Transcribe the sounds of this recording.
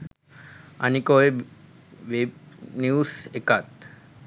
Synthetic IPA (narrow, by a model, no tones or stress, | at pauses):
a̰nikoe | ʋebniusekat̪